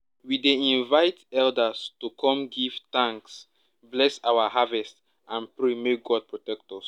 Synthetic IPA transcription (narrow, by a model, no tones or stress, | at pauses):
wideĩnvaɪtɛldastukʰɔ̃mɡiv̥t̪ãŋks | blɛsawahavɛst | ãnpɹemek̚ɡɔd̚pɹotɛk̚tɔs